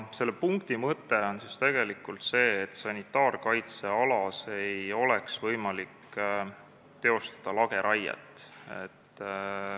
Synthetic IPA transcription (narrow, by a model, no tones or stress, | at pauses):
se̞lːepuŋkt̪imɤt̪ːˑeo̞nsist̪e̞ɡ̥e̞likːˑult̪se̞ːt̪ːsɑnʲit̪ːˑɑːrkɑjt̪se̞ɑlɑse̞jo̞leksvɤjmɑlik | t̪e̞o̞st̪ɑ̥d̪̥ɑlɑɡe̞ɾʔɑjḛt̪ːˑe̞̰t̪ː